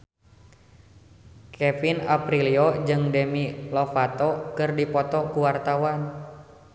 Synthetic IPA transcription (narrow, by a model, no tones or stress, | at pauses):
kʰɛfinapɾiliɔd͡ʒɨŋdɛmilɔfat̪ɔkɨrdipɔt̪ɔkuwart̪awan